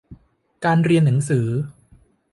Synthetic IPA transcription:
kaː˧nɾi˧ənːa˩˦ŋsɯː˩˦

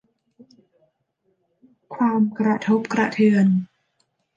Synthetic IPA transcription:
kʰwaː˧mkɾa˧t̪ʰo˦˥p̚kɾa˧t̪ʰɯː˧ən

